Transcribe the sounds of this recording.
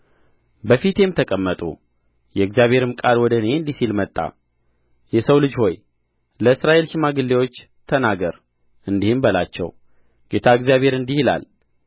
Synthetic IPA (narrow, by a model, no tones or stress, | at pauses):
bəfit̪emt̪ʰəkʼəmːət̪ʼṵ | jɛɨɡzijaβʱhe̞ɾɨmkʼalwɔd̪əneɨnd̪isilmət̪ʼːa̰ | jɛsəwlɨd͡ʒho̞j | ləɨsɾaʔe̞lʃɪmaɡɨlːewo̞t͡ʃː | t̪ʰənaɡəɾ | ʔɨnd̪ihɨmbəlat͡ʃːɛ̰w | ɡ̥e̞t̪ʰaɨɡzjaβhe̞ɾɨnd̪ihila̰l